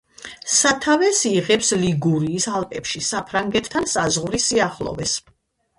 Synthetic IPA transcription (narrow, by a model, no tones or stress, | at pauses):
sat̪ʰavɛsiʁɛpsliɡuɾiːsalˠpʼɛpʃisapʰɾaŋɡɛt̪ʰt̪ʰːansazʁɾisiaχlˠɔ̰vɛs